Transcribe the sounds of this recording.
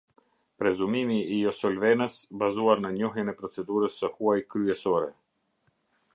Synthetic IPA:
pɾɛzumimiːɔsɔlvɛnəsbazuaɾnəɲɔɦjənɛpɾɔt͡sɛd̪uɾəsːəhuajkɾyɛsɔɾɛ

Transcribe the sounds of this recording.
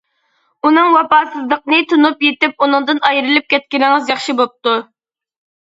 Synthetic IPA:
unɨŋwɑpɑːsɨzlˠəqnɨt̪ʰunupjet̪ɪp̚unɨŋd̪ɨnɑjɾɨlˠɪp̚kʲɛt̪̚kʲiɾɪŋɨzjɑχʃibop̚t̪u

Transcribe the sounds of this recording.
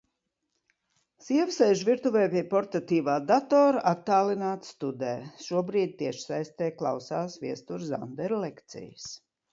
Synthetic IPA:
siɛvsɛjʒvʲiɾt̪uvɛjpʲiɛpɔɾt̪at̪iːvaːd̪at̪ɔːɾʔat̪ːaːlˠinaːt̪sst̪ud̪ɛːʃuɔbɾiːd̪̚ʲt̪iɛʃsajst̪ɛːklˠa̰wsaːsviɛst̪uɾza̰nd̪ɛɾlɛkt̪sḭjs

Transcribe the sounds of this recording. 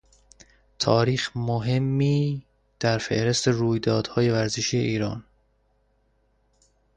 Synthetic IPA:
t̪ʰɒːɾiːxmoɦe̞mːiː | d̪̥æɾfe̞̰ʔɾe̞st̪eruːjd̪ɒːd̪̥hɒːje̞væɾzeʃiːjḛʔiːɾɒːn

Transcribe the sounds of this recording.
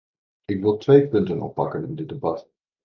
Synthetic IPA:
ɪkʋɪlˠtʋejpʏntənɔ̰pːɑ̰kənɪ̰ndɪdəbɑt

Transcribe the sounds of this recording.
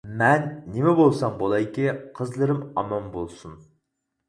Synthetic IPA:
mɛnːemɛbolˠsɑmbolˠɑjkʲeqʰəzlˠɨɾɨmɑ̰mɑmbolˠsun

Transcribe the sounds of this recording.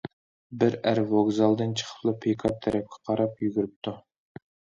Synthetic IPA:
bɪɾæɾvoɡzɑlˠd̪ɨnt͡ʃʰə̥χʰə̥plˠɨpʰekʰɑp̚t̪ʰɛɾɛp̚kʲʰɛ̥qʰɑɾɑpjyɡʲyɾyp̚t̪ʰu

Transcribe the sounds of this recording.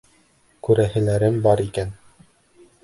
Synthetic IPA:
kʉɾæhɘ̆læɾɘmbɑɾikæn

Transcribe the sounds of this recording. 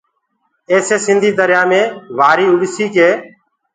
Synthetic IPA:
eːseːsɪnd̪ʱiːd̪əɾjaːmẽːʋaːɾiːʊɗsiːkeː

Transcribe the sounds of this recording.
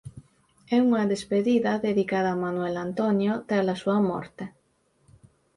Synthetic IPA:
ɛuŋaðespeðiðaðeðikaðaːmanwelant̪onjot̪ealasuamo̰ɾt̪e

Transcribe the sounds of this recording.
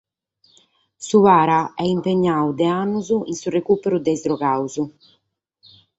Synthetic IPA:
suvaːɾaɛimpeɲːaud̪ɛanːuzuinsurekuːpeɾud̪ɛzd̪ɾɔɣawzu

